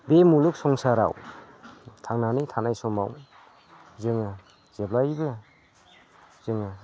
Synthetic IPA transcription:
bemuluk̚sɔŋsaɾa̰w | tʰaŋnanitʰanajsɔmaw | zɯŋɯ | z̥eblajbɯ | zɯŋɯ

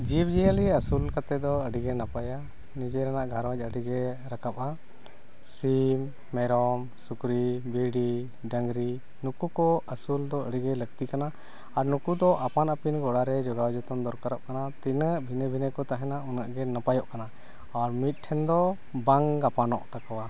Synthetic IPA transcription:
d͡ʒibd͡ʒijəliəsulkat̪ɛd̪ɔəɖiɡɛnapaja | nid͡ʒɛɾɛnaʔɡʱaɾwad͡ʒˀəɖiɡɛɾakap̚a | simː | ɛɾɔm | sukɾibiɖi | ɖəŋɡɾi | nukukɔəsuld̪ɔəɖiɡɛləɡ̚t̪ikanaː | ɾnukud̪ɔʔapanəpinɡɔɽaɾɛd͡ʒɔɡawd͡ʒɔt̪ɔnd̪ɔɾkaɾaʔ̚kanat̪inəbʱinəbʱinəkɔt̪aɦɛnaunaʔɡɛnapajɔʔkana | aɾmit̪̚ˀʈʰɛnd̪ɔ | baŋɡapanɔʔt̪akɔwa

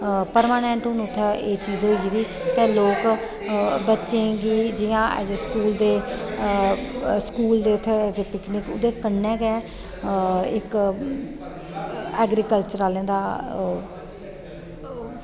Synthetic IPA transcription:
pəɾmaːnẽːɳʈɦʊnːʊt̪ʰːɛeːt͡ʃiːzɦoːiːʋiː | t̪eːloːk | bətːʃẽːɡiːd͡ʒɪjãːʔɛ̰d͡ʒeːskuːld̪eː | skuːld̪eːʊt̪ʰːzepɪknɪkʊ̰d̪eːkəɳːɛ̃ːɡɛː | ɪk | ɛːɡɾikəlt͡ʃəɾaːlẽːd̪aː

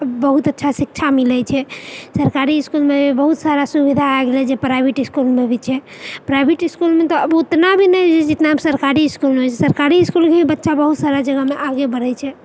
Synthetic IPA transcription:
əbbəɦut̪ətːʃʰasik̚t͡ʃʰamilɛt͡ʃʰɛsəɾkaɾiːskulmebʱibəɦut̪saɾasubid̪ʱaeɡelɛd͡ʒepɾajbʱiʈiskulmebʱit͡ʃʰɛpɾajbʱeʈiskulmet̪ɔəbut̪nabʱinəd͡ʒɛd͡ʒɪt̪naɦəmsəɾkaɾiːskulmeɦojt͡ʃʰɛsəɾkaɾiskulkebʱibətːʃabəɦut̪saɾad͡ʒəɡəmeʔaɡebəɾɛt͡ʃʰɛ

